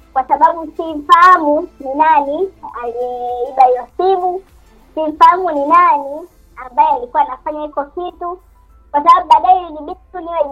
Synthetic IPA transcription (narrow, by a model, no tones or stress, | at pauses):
kwasaɓaɓusim̩fahamuninanialiɛiɓaiwasiɓu | sim̩fahamuninani | ambajɛalikuwanafaɲahikɔkitu | kwasaɓaɓuɓaɗaɛjiniɓituniwɛ